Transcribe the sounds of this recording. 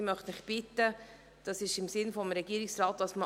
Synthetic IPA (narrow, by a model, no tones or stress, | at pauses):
mœχtmɪχb̥ɪtːə | d̥ɑsɪʃɪmsɪnfɔmɾɛɡiːɾɪksɾɑːt̚d̥ɑsmə